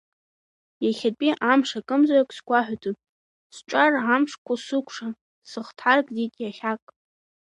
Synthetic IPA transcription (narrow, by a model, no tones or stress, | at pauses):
jaχʲapʼiʔamʂakʼɨmzaakʷʰʼsɡʷaħʷᶣatʰupʼ | sʈ͡ʂʷʼarʕamʂkʷʰasɨkʷʰʂa | sɨχtʰħarkʼdikʲʼjaχʲakʼ